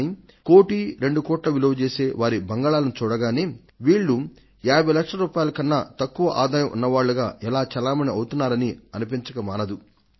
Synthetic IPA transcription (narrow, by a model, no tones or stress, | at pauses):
i | ko̞ːʈiɾe̞ɳɖukɔːʈlɐʋiloːd̪ut͡ʃe̞ːse̞ːʋaːɾibɐŋɡaːɭaːlɐnut͡ʃuːɽɐɡaːneː | ʋiːɭːu | jaːbʱɐjlɐkʂlɐɾuːpaːjɐlɐkɐnːɐt̪ɐkːuʋɐʔaːd̪aːjɐmʔṵnːɐʋaːɭːuɡaːʔɛlaːt͡ʃɐlaːmɐniɐwut̪unːaːɾɐniɐnup̬iɲt͡ʃɐkɐmaːnɐd̪u